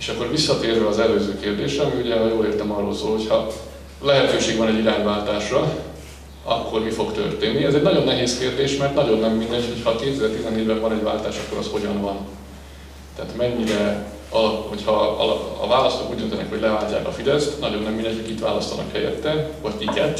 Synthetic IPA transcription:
eːʃɒkːo̞rvisːɒt̪eːrvɛɒzɛløːzøːkeːrd̪eːʃrɛɒmiuɟɛjoːleːrt̪ɛmɒrːo̞lsoːlho̞cʰhɒ | lɛɦɛt̪øːʃeːɡvɒnɛɟiɾaːɲvaːlt̪aːʃrɒ | ɒ̰kːo̞rmifo̞kt̪ø̰rt̪eːnːiɛzɛɟnɒɟo̞nːɛɦeːskeːrd̪eːʃmɛrt̪nɒɟo̞nːɛmːind̪ɛcho̞chɒkeːt̪ɛzɛːrt̪izɛneːɟbɛvɒnɛɟva̰ːlt̪aːʃɒkːo̞ɾɒ̰sho̞ɟɒnvɒn | t̪ɛaːt̪mɛɲːiɾɛ | ɒho̞chɒɒ̰l̰ːvaːlɒst̪okṵːɟd̪ønt̪ɛnɛ̰kho̞ɟlɛvaːlc̪a̰ːkɒ̰fid̪ɛst̪nɒɟo̞nːɛmːind̪ɛɲcʰhʰokit̪ʋa̰ːlɒst̪ɒnɒ̰khɛjɛ̰t̪ːɛvɒɟ̪ikɛt̪

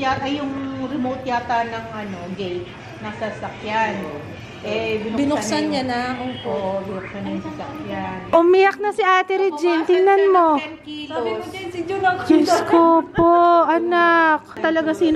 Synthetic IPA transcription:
jat̪ɐjʊŋɾɛmowt̪̚jaːt̪ɐnɐŋʔɐno̞d͡ʒɛjt̪̚ | nɐsasɐkjan | ʔɛbɪnbɪnʊksanɲanaʔopobɪnʊksanjʊŋsasɐkjanʔʊmijɐk̚nɐsɪʔaːt̪ɛɾɛd͡ʒɪnt̪ɪŋnɐnmo | ɪskopoʔɐnak̚t̪ɐlɐɡasiːn

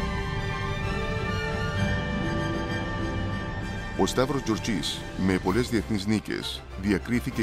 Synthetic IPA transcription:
ost̪afɾozd͡ʒuɾt͡ʃis | mepolezd̪ieθnisnikḛs | ðiakɾiθike

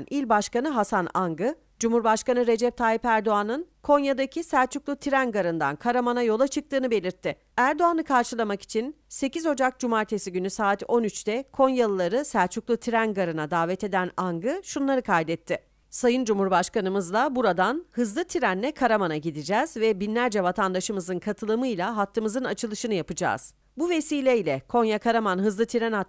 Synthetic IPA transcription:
nʔilʲbaʃkanɯɦasanaŋɡɯ | d͡ʒumhuɾbaʃkanɯɾe̞d͡ʒɛp̚t̪ʰaːipæɾd̪o̞anɯnkʰo̞njad̪acʰisæɾt͡ʃʰuklˠut̪ʰiɾænɡaɾɯnd̪a̰nkʰaɾamanajo̞lˠat͡ʃʰɯk̚t̪ʰɯːnɯbe̞lʲiɾt̪ʰːɪ | æɾd̪o̞anɯkʰaɾʃɯlˠamaki̥t͡ʃʰin | se̞cizo̞d͡ʒak̚d͡ʒumaɾt̪ʰe̞siɟynysaːt̪o̞nyt͡ʃt̪ɛkʰo̞njalˠɯlˠaɾɯsæɾt͡ʃʰuklˠut̪ʰiɾænɡaɾɯnad̪aːvɛt̪e̞d̪ænaŋɡɯʃunlˠaɾɯkʰajd̪ɛt̪ʰːɪ | sajɯnd͡ʒumhuɾbaʃkanɯmɯzlˠabuɾad̪anhɯzlˠɯt̪ʰiɾænːʲɛkʰaɾamanaɟid̪id͡ʒɛːzvɛbinlʲæɾd͡ʒɛvat̪ʰand̪aʃɯmɯzɯnkʰat̪ʰɯlˠɯmɯjlʲˠaɦat̪ʰːɯmɯzɯnat͡ʃʰɯlˠɯʃɯnɯjapɯd͡ʒa̰ːz̥ | buve̞siːlʲɛilʲɛkʰo̞njakʰaɾamanɦɯzlˠɯt̪ʰiɾɛna

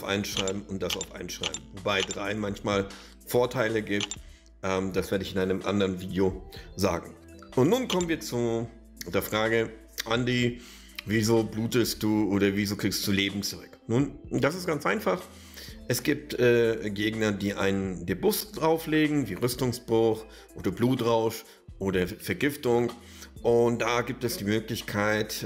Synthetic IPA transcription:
aʊfʔa̰ɪnʃʁ̥aɪbm̩ʊntd̥asaʊfʔa̰ɪnʃʁ̥a̰ɪbm̩vobaɪdʁaɪmançmaːl | foːɐtʰaɪləɡiːp̚t | ʔɛːmd̥asv̥eːɐɾəɪçɪnaɪnəmʔa̰ndəɐʁənviːdjoza̰ːɡŋ̩ | ʔʊntnuːnkʰɔmənviːɐt͡su | deːɐfʁ̥aːɡə | ʔandiː | vizoːbluːtəst̚d̥uːʔoːdɐvizoːkʁ̥iːkstd̥uːleːbm̩t͡sʊʁʏknuːnd̥as̬ɪstɡ̥ant͡sʔaɪnfaχ | ʔɛsɡ̥iːp̚tʔɛːɡeːɡnɐdiːʔa̰ɪnəndebʊsd̥ʁaʊfleːɡŋ̩viːʁʏstʊŋsb̥ʁʊχ | ʔoːdɐbluːtʁaʊʃ | ʔoːdɐfɛɐɡɪftʊŋ | ʔʊnt̚d̥aɡiːp̚tɛsd̥iːmøːklɪçkʰaɪt

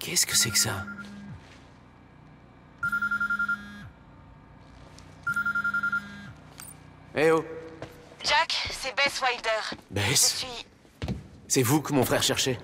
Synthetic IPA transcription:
kʲʰɛskə̥sɛksa | eo | ʒaksɛbɛswajd̪œːʁbɛssɥi | sɛvukəmɔ̃fχɛʁʃɛʁʃe

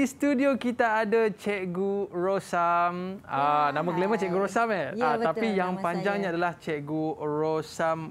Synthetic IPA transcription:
ist̪udiokit̪aːdat͡ʃɛʔɡuɹosamanãmãɡlemãt͡ʃɛʔɡuɾosamɛaapijaŋpaɲd͡ʒaŋɲaadalaht͡ʃɛʔɡuɹosam

